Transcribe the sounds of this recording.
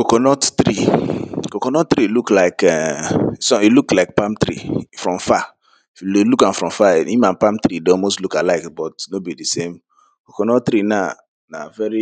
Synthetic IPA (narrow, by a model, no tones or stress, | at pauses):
kokɔnɔtt̪ɾikokɔ̃nɔt̚t̪ɾiluklaɪkɛsɔ̃iluklaɪk̚pãmt̪ɾḭfɹɔ̃mfa | ifjullukãnfɹɔ̃mfaĩmãnpãmt̪ɾidɔmostlukalaɪkbɔtnobidisẽm | kokɔnɔtt̪ɾina | na̰vɛɹi